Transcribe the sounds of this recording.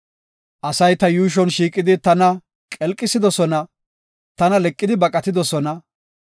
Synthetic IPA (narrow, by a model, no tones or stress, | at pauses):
ʔɐsɐjt̪ɐjuːʃ̬ɔnʃiːkʼɪd̪ɪt̪ɐnɐ | kʼɛlkʼːɪsɪd̪ɔsɔnɐ | t̪ɐnɐlɛkʼːɪd̪ɪbɐkʼɐt̪ɪd̪ɔsɔnɐ